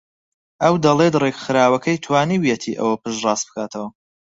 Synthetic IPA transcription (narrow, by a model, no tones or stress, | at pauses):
ʔɐwd̪ɐlˠeːt̪reɡxɨɾaːwɐkʰɐjt̪ʰwaːniwjet̪ʰiʔɐ̰wɐpʰɨʃrɑːst̪bɨ̥kʰaːt̪ʰɐwɐ